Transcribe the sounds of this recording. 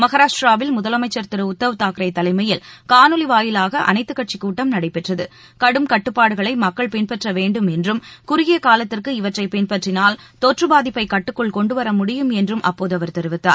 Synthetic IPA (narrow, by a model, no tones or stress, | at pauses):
mɐɣɐɾaːɾaːʋɪlmʊðɐlɐmɐɪt͡ʃːɐɾt̪ɪɾɐʊt̪ːɐʋɯt̪aːkɪɾɐɪt̪ːɐlɐɪmɐjɪlkaːnɯlɪʋaːjɪlaːɣɐʔɐ̰nɐɪt̪ːɯkːɐʈ̚t͡ʃikːuːʈːɐmnɐɽɐɪpːɛʈrɐðɯ | kɐɽɯmkɐʈːɯpːaːɽɯɣɐɭɐɪmɐkːɐɭpɪnpɛʈrɐʋeːɳɖɯmɛndrɯmkʊɾʊɪjɪɐkaːlɐt̪ːɪrkɯɪʋɐʈrɐɪpɛnpɐʈrɪnaːlt̪ɔʈrɯbaːðɪpːɐɪkɐʈːɯkːɔɭkɔɳɖɯʋɐɾɐmʊɽɪjɯmɛndrɯmʔɐ̰pːoːðɯɐʋɐɾt̪ɛɾɪʋɪt̪ːa̰ːɾ